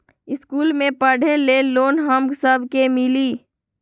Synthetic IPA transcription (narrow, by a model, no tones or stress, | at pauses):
ɪskuːlmẽpəɽ̤eleloːnɦəmɡsəbʱkemɪliː